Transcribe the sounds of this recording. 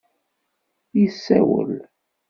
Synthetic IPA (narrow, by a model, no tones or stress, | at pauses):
jisːæwə̰l